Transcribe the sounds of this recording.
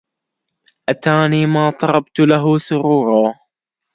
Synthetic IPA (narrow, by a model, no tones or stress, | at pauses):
ʔat̪aːniːmaːt̪ˤɑɾˤɑbt̪laɦʊsʊɾuːɾˤɑː